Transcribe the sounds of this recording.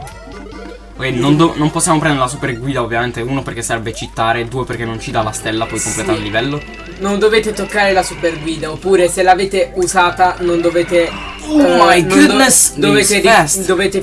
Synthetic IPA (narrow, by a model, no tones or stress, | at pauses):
kenond̪onomposːjaːmop̬ɾɛnd̪eɾelas̬uperɡwiːd̪aovːjament̪euːnoperk̟esːaɾɛbːet͡ʃit̪ːaːɾed̪uːeperk̟enːont͡ʃid̪alːast̪elːapɔjkomplɛːt̪alːivɛlːo | nond̪oveːt̪et̪okːaːɾelasuperɡwiːd̪aopːuːɾeselːaːveːt̪euzaːt̪anond̪oveːt̪e | ajnud̪nesd̪oveːt̪esd̪oveːt̪e